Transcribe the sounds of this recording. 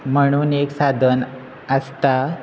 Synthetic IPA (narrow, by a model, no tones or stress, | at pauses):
m̤əɽ̃uːneksad̪ʱən | əst̪a